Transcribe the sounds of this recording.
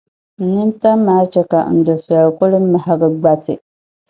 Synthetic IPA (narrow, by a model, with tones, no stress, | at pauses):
n̩˦nɨ˦n˦ta˦mː˦aː˦t͡ʃɛ˦ka˨n̩˨dɨ˨fi˨ɛ˨lkʊ˦lɨ˦m˦ma˨ɦa˦ɡɨ˦ɡ͡ba˦tɨ̰˨